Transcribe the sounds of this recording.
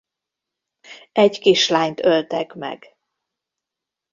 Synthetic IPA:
ɛɟkiʃlaːɲt̪ølt̪ɛkmɛ̰ɡ

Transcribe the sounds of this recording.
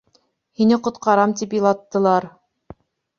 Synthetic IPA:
hinɘqŏt̪qɑɾɑmt̪ipjɤ̆lˠɑt̪ːɤ̆lˠɑɾ

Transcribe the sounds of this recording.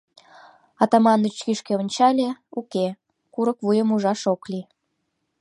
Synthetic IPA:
ɑt̪ɑmɑnːut͡ɕkiʃkeonʲt͡ɕɑlʲeuke | kuɾəkβujəmuʒɑʃoklʲi

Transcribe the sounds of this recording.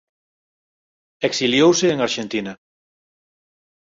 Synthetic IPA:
eksiljowseːŋaɾʃẽnt̪ina

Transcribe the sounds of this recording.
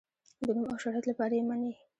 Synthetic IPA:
d̪ənumawʃaɾaklapɑɾajemane

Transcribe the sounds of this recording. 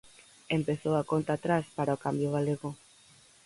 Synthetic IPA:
empeθowakont̪aːt̪ɾaspaɾaokambjoɣaleɣo

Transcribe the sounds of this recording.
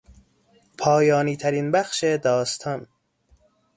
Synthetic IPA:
pʰɒːjɒːniːt̪ʰæɾinbæxʃed̪ɒːst̪ʰɒn

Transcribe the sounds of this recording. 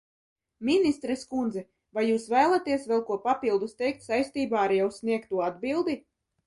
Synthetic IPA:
mʲinist̪ɾɛskund̪zɛ | vajːuːsvæːlˠat̪iɛsvɛlˠkuɔpapilˠd̪ust̪ɛjk̚t̪sajsʲt̪iːbaːaɾjawsniɛkt̪uɔad̪bilˠd̪i

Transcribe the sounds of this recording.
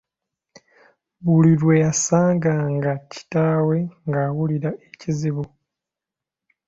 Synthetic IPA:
βuliɾwe̞jasaːŋɡaŋɡaci̥taːwe̞ŋɡaːwuliɾaʔeciziβu

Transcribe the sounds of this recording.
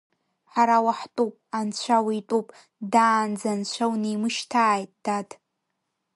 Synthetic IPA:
ħaɾawaħtʼupʼant͡ɕʷʰawitʼupʼ | daːnd͡zant͡ɕʷʰawnijmɨʃtʰaːjtʼd̥atʰʼ

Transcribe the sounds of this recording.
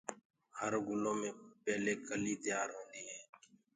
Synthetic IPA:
həɾɡʊlõːmẽːpɛːleːkəliːd̪ɪjaːɾɦõːnd̪iːɦɛː

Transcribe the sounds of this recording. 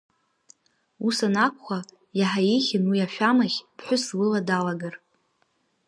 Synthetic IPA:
usanakʷχʷa | jaħaiχʲɪnwiaʃᶣamaχʲpʰħʷʊslɨladalaɡar

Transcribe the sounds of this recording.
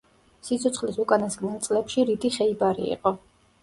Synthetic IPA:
sit̪sʰɔt̪sʰχlisukʼanasɡnɛlˠt̪sʼlɛpʃiɾid̪iχɛibaɾḭḭqʼɔ

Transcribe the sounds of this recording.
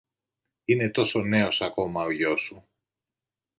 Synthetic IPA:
ine̞t̪o̞so̞ne̞o̞sɐko̞mɐoʝo̞su

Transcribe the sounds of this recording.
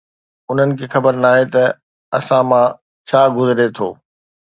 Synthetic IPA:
ʊn̤ənɪ̆kʰeːxɐbəɾnaːɦet̪ɐ | ɐsãmã | t͡ɕʰaːɡʊzɪɾet̪ʰo̰ː

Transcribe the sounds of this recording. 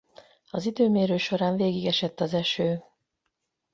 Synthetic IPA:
ɒzid̪øːmeːɾøːʃo̞ɾaːɱveːɡiɡɛʃɛt̪ːɒzɛʃøː

